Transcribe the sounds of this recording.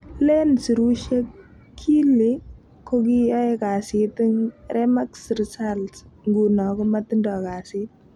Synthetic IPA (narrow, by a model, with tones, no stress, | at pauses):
le˦nsi˨ɾu˦ʃe˦kʰː | i˦li˦ | ko˦k̬i˦jɔ˦eka˨si˨tŋrʔɛ˦ma˦ksɾsalsŋɡu˨nɔ˨kɔ˦mati˦ndɔ˨ka˨sit̚